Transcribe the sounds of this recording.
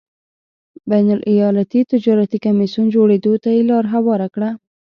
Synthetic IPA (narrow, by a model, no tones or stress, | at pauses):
bajnalʔijɑlat̪it̪ɪd͡ʒɑɾat̪ikamisund͡ʒoɽed̪ot̪ajelɑɾɦawɑɾakɽa